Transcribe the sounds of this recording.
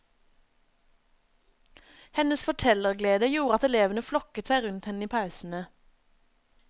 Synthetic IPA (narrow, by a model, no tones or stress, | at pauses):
hɛnəsfɔʈʰɛləʁɡleːd̪əjuːʁɑt̪ɛleːʋən̩əflɔkət̪sæɪʁʉnt̪hɛnəiːpʰɑʉsn̩ə